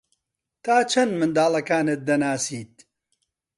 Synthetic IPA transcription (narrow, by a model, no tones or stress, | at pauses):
t̪ʰaːt͡ʃʰɐnmɨnd̪aːlˠɐkaːnɨt̪̚d̪ɐnaːsiːt̪̚